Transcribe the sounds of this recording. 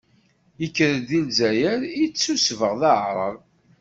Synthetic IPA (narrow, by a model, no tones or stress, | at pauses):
əkːɾəd̪ilzæjæɾit͡sːusvəʁðaʕɾˤəv